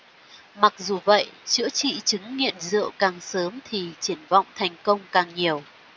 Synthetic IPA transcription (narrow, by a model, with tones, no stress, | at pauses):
ma˨˩k̚zu˨˩və̰˧˨jt͡ɕɨ̰˧˥t͡ɕḭ˧˨t͡ɕɨ˨˦ŋːḭ˧˨ənzɨ̰˧˨əwkaː˨˩ŋsəː˨˦mt̪ʰi˨˩t͡ɕi˧˩ənvɔ̰˧˨wŋ͡mt̪ʰɛ˨˩jŋ̟kə˧wŋ͡mkaː˨˩ŋɲi˨˩əw